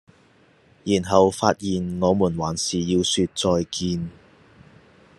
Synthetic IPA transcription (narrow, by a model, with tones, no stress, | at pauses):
jiː˨˩nɦɐ˨wfaː˧t̚jiː˨nŋɔː˨˧muː˨˩nwaː˨˥nsiː˨jiː˧wsyː˧t̚t͡sɔː˧jkʰiː˧n